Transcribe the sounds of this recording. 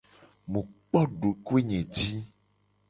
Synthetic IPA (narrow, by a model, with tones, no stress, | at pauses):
mũ˨k͡pɔ˦ɖo˨ko˦e˦ɲẽ˨d͡ʒi˦